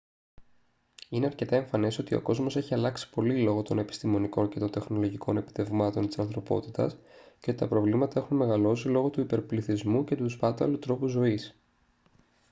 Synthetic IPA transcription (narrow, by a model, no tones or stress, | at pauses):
ine̞ɐɾce̞t̪ɐe̞ɱfɐne̞so̞t̪io̞̰ko̞zmo̞se̞çiɐlɐksi̥po̞lilo̞ɣo̞t̪o̞ne̞pi̥st̪imo̞niko̞nce̞t̪o̞nt̪e̞xno̞lo̞ʝiko̞ne̞pi̥t̪e̞vmɐt̪o̞nt̪i̥sɐnθɾo̞po̞̰t̪it̪ɐ̰sceo̞t̪it̪ɐpɾo̞vlimɐt̪ɐe̞xunme̞ɣɐlo̞silo̞ɣo̞t̪uipe̞ɾpliθizmuce̞t̪uspɐt̪ɐ̰lut̪ɾo̞puzo̞is